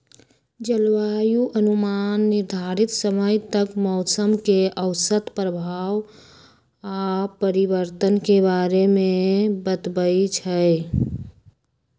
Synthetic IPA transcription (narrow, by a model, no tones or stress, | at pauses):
d͡ʒəlwajuʔənumanːiɾd̪ʱaɾit̪səməjt̪əkmɔʊt̪səmkeəʊsət̪pɾəbʱaw | apəɾibəɾt̪ənkebaɾemebət̪bəjt͡ʃʰəj